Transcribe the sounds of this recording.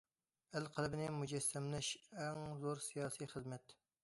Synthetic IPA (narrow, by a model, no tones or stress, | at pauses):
ælqʰəlˠɨbɪnɪmud͡ʒɛsːɛmlɛʃɛŋzoɾsijɑːsijχəzmɛt̪